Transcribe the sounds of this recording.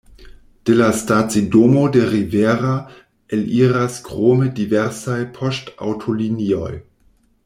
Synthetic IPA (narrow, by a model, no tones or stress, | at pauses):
d̥elastat͡sidoːmodeʁivɛːʁa | ʔɪlʔiːʁaskʁ̥oːmədivɛʁsajpʰɔsta̰wtʰoliniɔj